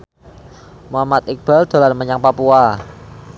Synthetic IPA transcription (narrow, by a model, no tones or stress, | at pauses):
muamat̪̚ɪk̚b̥ald̪̥o̤lanməɲaŋpapua